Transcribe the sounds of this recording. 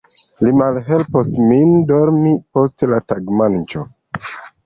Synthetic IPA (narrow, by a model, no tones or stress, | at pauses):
limalɦe̞lposmindoɾmipo̞stlataɡmant͡ʃo